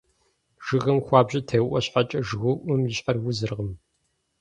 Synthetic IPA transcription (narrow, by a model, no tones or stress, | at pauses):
ʒ̥ɨɣɐmxʷɑːbʑɐtʰɐjʔʷɔɕħat͡ʃʼɐʒɣʊʔɨmjɪɕħarwʊzɨrʁəm